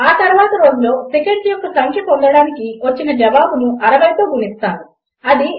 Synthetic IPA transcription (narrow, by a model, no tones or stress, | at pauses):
aːt̪ɐɾuʋaːt̪ɐɾo̞ːd͡ʒulo̞ːsekeɳijɔkːɐsɐŋkʰɐpɐund̪ɐɽaːnikiʋɐt͡ʃːinɐd͡ʒɐʋaːbunuʔɐɾɐʋɐjt̪oːɡunist̪aːɾu | ɐd̪i